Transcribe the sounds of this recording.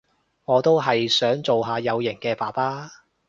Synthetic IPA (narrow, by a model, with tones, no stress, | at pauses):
ŋɔː˨˧t̪o˥wɦɐ˨jsœː˨˥ŋt͡so˨wɦaː˨˧jɐ˨˧wjɪ˨˩ŋkɛː˧paː˨˩paː˥